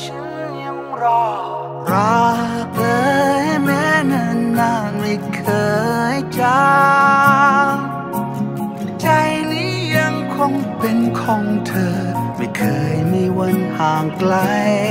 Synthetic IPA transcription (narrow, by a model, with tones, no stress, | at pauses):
t͡ɕʰa˧˥n˥˧ja˧˥ŋɾa˧˩ | ɾaː˧k̚lɤː˧˥jmɛː˦˥na˧˩nːaː˧˩ŋmi˧kʰɤː˧jt͡ɕa˧ | t͡ɕa˧jniː˦˥ja˧ŋkʰo˧˥ŋpe˧nkʰɔː˧˦ŋt̪ʰɤː˧ma˧˩kʰɤː˧jmiː˧wa˧nhaː˨˩ŋkla˧j